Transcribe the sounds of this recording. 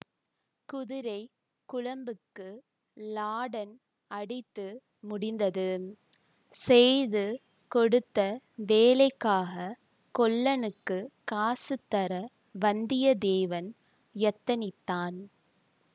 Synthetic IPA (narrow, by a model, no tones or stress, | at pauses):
kʊðɪɾɐɪ | kʊɻɐmbɯkːɯ | laːɽɐn | ɐɽɪt̪ːɯ | mʊɽɪnd̪ɐðɯ | sɛjðɯ | kɔɽɯt̪ːɐ | ʋeːlɐɪkːaːɣɐ | kɔɭːɐnɯkːɯkaːsɯt̪ːɐɾɐ | ʋɐnd̪ɪjɐd̪eːʋɐn | jɛt̪ːɐnɪt̪ːaːn